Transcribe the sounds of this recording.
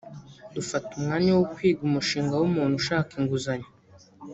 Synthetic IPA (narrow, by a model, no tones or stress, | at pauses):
dufatumŋaːɲawokwiːɡumuʃiːŋɡawumuːn̥huʃaːkiŋɡuzaɲa